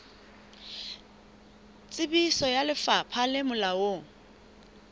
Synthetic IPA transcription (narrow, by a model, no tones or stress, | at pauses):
t͡sʼɪbisɔjalɪfapʰalɪmʊlawo